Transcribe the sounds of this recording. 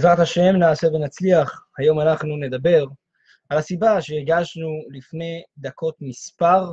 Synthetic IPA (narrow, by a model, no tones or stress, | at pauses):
zʁat̪haʃe̞mnaːse̞venat͡sliaχhajo̞manaχnune̞d̪abe̞ʁ | ʔalasibaʃeiʁɡaʃnulifne̞d̪akʰo̞t̪mispaʁ